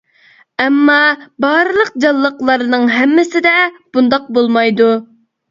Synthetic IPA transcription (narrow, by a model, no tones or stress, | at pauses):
ɛmːɑbɑɾɨlˠəq̚d͡ʒɑlˠːəqlˠɑɾnɨŋɦɛmːɪsɪd̪ɛb̥und̪ɑq̚bolˠmɑjd̪u